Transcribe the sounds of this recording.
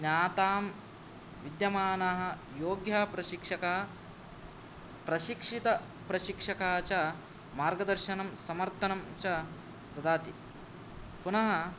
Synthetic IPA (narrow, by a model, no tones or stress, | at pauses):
ɲaːt̪aːm | ʋid̪jɐmaːnɐɦɐ̆ | joːɡjaːpɾɐʃikʂɐkaː | pɾɐʃikʂit̪ɐ | pɾɐʃikʂɐkaːt͡ʃɐ | maːɾɡɐd̪ɐɾʃɐnɐmsɐmɐɾt̪ʰɐnɐmt͡ʃɐ | t̪ɐd̪aːt̪i | punɐɦɐ̆